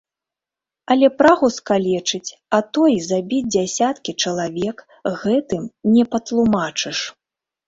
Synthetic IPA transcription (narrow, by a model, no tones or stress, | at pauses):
ɐlʲɛpɾaɣuskalʲɛt͡ʂɨt͡sʲat̪ɔjzabʲid͡zʲd͡zʲasʲat̪kʲit͡ʂɐlˠavʲɛk | ɣɛt̪ɨmnʲɛpɐt̪lˠumat͡ʂɨʂ